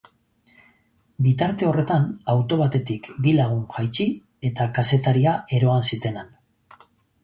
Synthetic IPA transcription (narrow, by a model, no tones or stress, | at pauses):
bit̪aɾt̪e̞o̞re̞t̪anawt̪o̞β̞at̪e̞t̪ikbilaɣ̞uŋʝajt͡ʃi | e̞t̪akase̞t̪aɾiaʔe̞ɾo̞ansit̪e̞nan